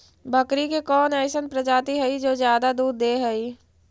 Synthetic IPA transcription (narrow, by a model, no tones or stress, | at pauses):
bʱəkɾikekɔːnɛːsənpɾɐd͡ʒaːt̪iɦɛid͡ʒoːzjaːd̪ad̪uːd̪ːeːɦɛi